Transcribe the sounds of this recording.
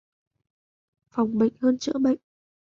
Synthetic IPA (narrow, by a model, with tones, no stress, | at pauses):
fa˨˩wŋ͡mɓə̰˧˨jŋ̟həː˧nt͡ɕɨ̰˧˥əɓə̰˧˨jŋ